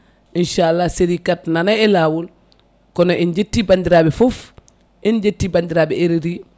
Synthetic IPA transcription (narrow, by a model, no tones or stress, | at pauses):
ʔinʃaalːaseɾikat̚nanaɛlaːwul | kɔnɔind͡ʒetːibandiɾaːbɛfof | ʔind͡ʒetːibandiɾaːbɛeɾiɾi